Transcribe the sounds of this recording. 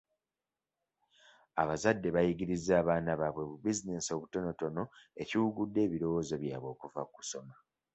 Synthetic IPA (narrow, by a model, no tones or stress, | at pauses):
aβazadːe̞βajiɡiɾizːaːβaːnaβaβwe̞βubizine̞so̞βuto̞no̞to̞no̞e̞ciwuɡudːe̞ːβiɾo̞wo̞ːzo̞βjaːβwo̞ːkuvaku̥so̞ma